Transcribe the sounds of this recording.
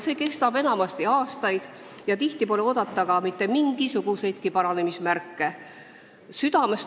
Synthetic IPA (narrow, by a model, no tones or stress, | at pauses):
se̞ːke̞st̪ɑb̥e̞nɑmɑst̪iɑːst̪ɑjd̪̥ | jɑt̪iht̪ipo̞leo̞d̪̥ɑt̪ːˑɑɡɑmit̪ˑːe̞miŋɡ̥isuɡ̥use̞jd̪̥̚kipɑɾɑne̞mismærkːe̞ | syd̪̥ɑme̞s